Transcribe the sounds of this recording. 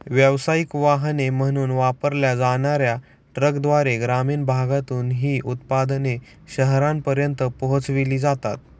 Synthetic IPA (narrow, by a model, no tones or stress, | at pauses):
ʋjəʋsaikʋaɦnem̤əɽ̃uːnʋapəɾljad͡zaɽ̃aɾja | ʈɾəkd̪ʋaɾeɡɾamiːɳbʱaɡat̪uːnɦiːʔut̪pad̪ne | ɕəɦɾãmpəɾjənt̪əpəɦot͡sʋiliːd͡zat̪a̰t̪̚